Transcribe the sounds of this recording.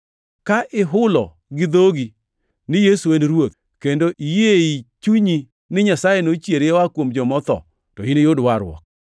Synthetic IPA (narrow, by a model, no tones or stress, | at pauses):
kaʔɪɦʊlɔ̰ | ɡɪd̪oɡi | nɪjesuwenɾwot̪ | kendoʔijeit͡ʃuɲi | nɪɲasajenot͡ʃjeɾjewakwomd͡ʒɔmɔt̪ɔ̰ | tɔinejodwaɾwɔ̰k̚